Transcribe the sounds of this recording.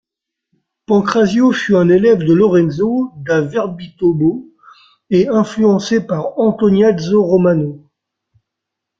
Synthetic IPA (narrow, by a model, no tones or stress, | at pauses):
pɑ̃kχazjofyɛ̃nelɛvd̪əlɔʁɛnzod̪avɛʁbit̪obo | eɛ̃flyɑ̃sepaʁɑ̃t̪ɔnjad̪zoʁɔmano